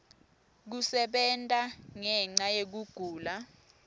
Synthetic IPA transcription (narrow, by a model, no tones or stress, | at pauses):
k̬usɛɓɛntʼaŋɛŋ͡ǀajek̬uɡ̥ʱuːla